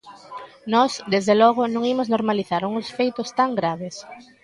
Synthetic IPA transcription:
nɔsd̪ezðelɔɣʊnõŋimʊznoɾmaliθaɾuŋʊsfejt̪ʊst̪aŋɡɾaβes

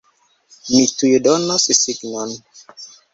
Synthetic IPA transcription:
mitujedɔnːɔsisiɡnɔn

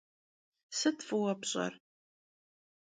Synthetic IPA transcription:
sɨtfɨwɐpɕʼɐ̰r

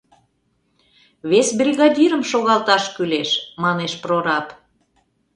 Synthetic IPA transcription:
βesbrʲiɣɑd̪ʲiɾəmʃoɣɑlt̪ɑʃkyleʃmɑneʃproɾɑp

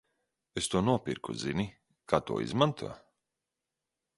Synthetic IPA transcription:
est̪uɔnuɔpʲiɾkuzinʲi | kʰaːt̪ṵɔḭzmant̪ʰuɔ

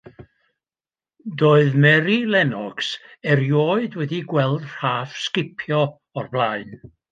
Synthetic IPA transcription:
doːɨðmɛɾilˠɛnɔɡ̥sɛɾjoːɨdwɛdiɡwɛlˠdr̥aːfskɪpʰjɔ | ɔrblˠaɨn

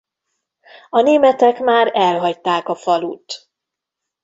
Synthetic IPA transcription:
ɒneːmɛt̪ɛkmaːɾɛlɦɒct̪aːkɒfɒlṵːt̪

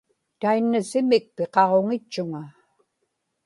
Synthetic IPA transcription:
t̪ainːasɪmɪk̚peqɑʁo̞ŋɪt͡ʃːʊŋa

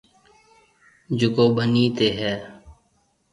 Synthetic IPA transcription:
d͡ʒʊkoːbəniːt̪eːɦɛː

